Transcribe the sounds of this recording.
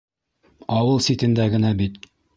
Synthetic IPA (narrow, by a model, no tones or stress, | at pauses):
ɑwɤlˠsit̪ɘ̆nd̪æɡɘ̆næbit̪